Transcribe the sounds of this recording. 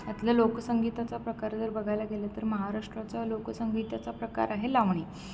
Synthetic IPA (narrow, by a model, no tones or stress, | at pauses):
at̪lalokəsəŋɡit̪at͡sapɾəkaɾd͡zəɾbəɡʱajlaɡelat̪əɾməɦaɾaʂʈɾat͡salokəsəŋɡit̪at͡sapɾəka̰ɾaɦelaʋɳi